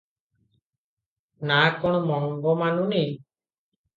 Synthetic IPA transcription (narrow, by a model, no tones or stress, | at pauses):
nakɔɽ̃ɔmɔŋɡɔmanuni